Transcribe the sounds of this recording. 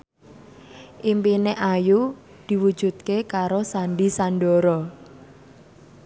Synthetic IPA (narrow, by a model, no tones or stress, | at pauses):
ʔimpineʔaju | d̪̥i̤wud̥ʒ̥ṳt̪̚kekaɾosanɖisanɖɔɾɔ